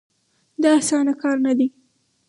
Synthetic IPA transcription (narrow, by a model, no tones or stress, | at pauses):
d̪ɑasɑnakɑɾnad̪i